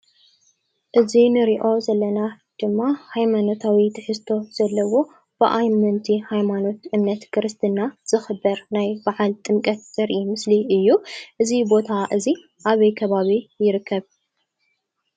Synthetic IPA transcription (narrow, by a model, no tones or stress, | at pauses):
ʔɨzinɨɾiʔo̞zɐlːɐna | d̪̥ɨmːahajmano̞t̪ʰawit̪ʰɨħɨst̪ʰo̞z̥ɐlːɐwo̞ | b̥ɨʔajmɨnt̪ʰihajmano̞t̪ʔɨmnːɐt̪kʰɨɾɨst̪ʰɨnaz̥ɨxɨbɐɾnajbaʕalt̪ʼɨmkʼɐt̪̚z̥ɐɾʔimɨsliʔɨjːuʔɨzibo̞t̪ʰaʔɨzi | ʔaβɐjkʰɐβaβijɪɾɨkʰːɐβ